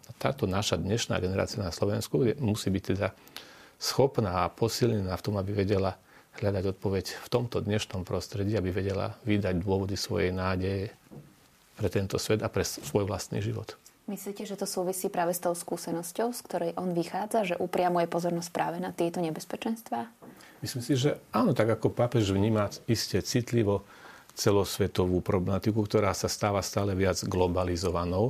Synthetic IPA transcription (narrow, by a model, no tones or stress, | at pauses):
at̪a̰ːt̪ɔnaʃad̪ɲɛʃna̰ːɡɛnɛɾa̰ːt͡sianaslɔʋɛnskuɛmusiːbic̚t̪ɛd̪a | sxɔpnaːpɔsilɲɛnaːft̪ɔmabiʋɛɟɛla | ɦʎad̪aɟɔt̪̚pɔʋɛcft̪ɔmt̪ɔd̪ɲɛʃnɔmpɾɔst̪ɾɛɟiːabiʋɛɟɛla̰ʋid̪aɟd̪ʊɔʋɔd̪isʋɔ̰jɛjnaːɟɛjɛ | pɾɛt̪ɛnt̪ɔsʋɛd̪apɾɛsʋɔjʋlast̪nḭːʒiʋɔ̰t̪ | misliːcɛʒɛt̪ɔsuːʋisiːpɾaːʋɛst̪ɔʊskuːsɛnɔscɔʊskt̪ɔɾɛjʔɔnʋixaːd͡zaʒɛʔupɾɪamujɛpɔzɔɾnɔsc̚pɾʔa̰ːʋɛnat̪ɪɛt̪ɔɲɛbɛspɛt͡ʃɛnst̪ʋaː | mislimsiʒɛaːnɔt̪aɡakɔpapɛʒʋɲiːmaiscɛt͡sit̪liʋɔ | t͡sɛlɔsʋɛt̪ɔʋuːpɾɔblɛmat̪ikukt̪ɔɾaːsast̪aːʋast̪aːlɛʋɪad͡zɡlɔbalizɔʋanɔʊ